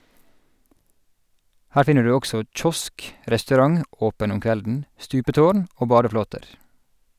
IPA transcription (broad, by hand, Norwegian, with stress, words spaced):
ˈhæːɹ ˈfɪnə ˈɖʉː ˈɔɡsɔ ˈc͡çɔsk ʔɾɛstʉˈɾɑŋ ˈʔoːpən ˈʊm ˈkʋɛldn̩ ˈstʉːpəˌtoːɳ ˈoː ˈbɑːdəˌfloːtəɾ